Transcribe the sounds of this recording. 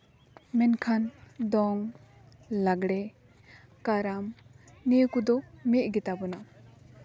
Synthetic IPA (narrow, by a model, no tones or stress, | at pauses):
mɛnkʰandɔŋ | laɡɽe | kaɾamnikud̪ɔmeʔ̚ɡitabɔna